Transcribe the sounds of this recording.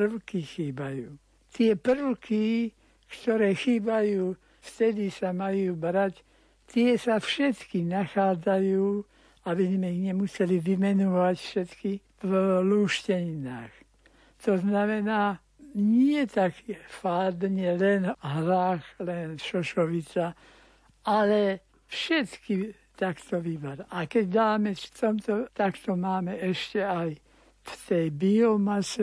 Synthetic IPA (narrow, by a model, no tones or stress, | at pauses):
prlkixiːbajuː | t̪ɪɛpr̩lki | kt̪ɔɾɛːxiːbajuː | ft̪ɛd̪isamajuːbɾac | t̪ːɪɛsafʃɛt̪kinaxaːd͡zajuː | abizmɛiɣɲɛmusɛliʋimɛnɔʋacfʃɛt̪ki | fluːʃcɛɲina̰ːx | t̪ɔznamɛnaː | ɲɪɛt̪akifaːd̪ɲɛlɛnɦɾaːxlɛnʃɔʃɔʋit͡sa | alɛ | fʃɛt̪ki | t̪akt̪ɔʋibaɾʔakɛɟd̪aːmɛft̪ɔmt̪ɔt̪akt̪ɔmaːmɛɛʃcɛaj | ft̪ɛjbiɔmasɛ